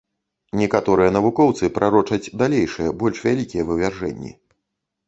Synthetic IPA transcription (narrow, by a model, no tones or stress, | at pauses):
nʲɛkat̪ɔɾɨjɐn̪ɐvukɔwt̪sɨpɾʔaɾɔt͡ʂɐt͡sʲd̪alʲejʂɨjɐbɔlʲʂvʲalʲikʲijɐvɨvʲarʐɛ̰nʲːḭ